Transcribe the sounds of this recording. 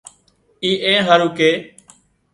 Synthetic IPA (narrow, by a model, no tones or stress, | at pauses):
iːʔẽːɦəɾuːkeː